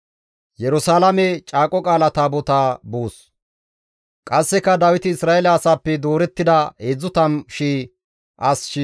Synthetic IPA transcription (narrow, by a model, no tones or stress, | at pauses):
jɛɾʊsaːlɐmɛt͡ʃʼaːkʼɔkʼaːlɐt̪aːbɔt̪aːbuːs | kʼɐsːɛkɐd̪ɐwɪt̪ɪɪsɾaːɛlɐːsaːpːɛd̪oːɾɛt̪ːɪd̪ɐeːd͡zːʊt̪ɐmʃiː | ʔɐsʃɪ